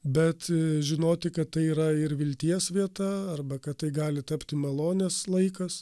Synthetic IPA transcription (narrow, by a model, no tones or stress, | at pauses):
bʲɛt̪ʒʲɪnoːt̪ʲɪkɐtt̪ɐɪiːɾɐɪɾʋʲɪlʲt̪ʲiɛsʋʲiɛt̪ɐɐrbɐkɐtt̪ɐɪɡɑːlʲɪt̪ɐpʲt̪ʲɪmɐlˠoːnʲɛslˠɐɪkɐs